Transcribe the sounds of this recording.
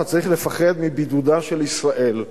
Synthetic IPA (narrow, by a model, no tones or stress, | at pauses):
at͡saʁiχle̞faχe̞d̪mibid̪ud̪aʃe̞lisʁaʔe̞l